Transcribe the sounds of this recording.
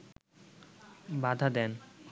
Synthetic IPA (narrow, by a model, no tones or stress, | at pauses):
bad̪ʱad̪ɛn